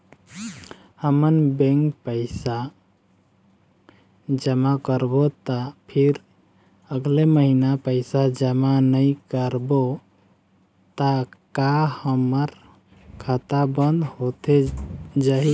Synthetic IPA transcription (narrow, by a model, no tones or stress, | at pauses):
həmənbẽŋkpəɪsa | d͡ʒəmakəɾbot̪apʰiɾ | əɡleməɦinapəɪsad͡ʒəmanəjkəɾbo | t̪akahəməɾ | kʰat̪abənd̪ɦot̪ed͡ʒaɦi